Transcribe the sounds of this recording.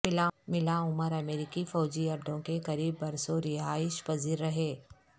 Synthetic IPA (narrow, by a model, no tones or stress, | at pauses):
ɪlamɪlaʊməɾɐmeːɾɪkifɔːd͡ʒiɐɾd̪ʱõkekɐɾiːbːɐɾsoɾɪɦaːɪʃpɐziːɾːɐɦeː